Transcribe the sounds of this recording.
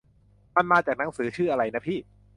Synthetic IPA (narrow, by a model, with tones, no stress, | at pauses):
ma˧nmaː˧t͡ɕaː˨˩k̚na˩˦ŋsɯː˩˦t͡ɕʰɯː˥˩ʔa˧ɾa˧jna˦˥pʰiː˥˩